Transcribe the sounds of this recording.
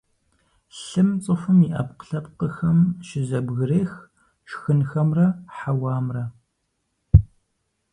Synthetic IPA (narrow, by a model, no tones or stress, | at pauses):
ɬɨmt͡sʼɨfɨmiʔɐpqə̥ɬɐpqəxɐmʃɪzɐbɣɨreːx | ʃxɨnxɐmrɐħawɑːmrɐ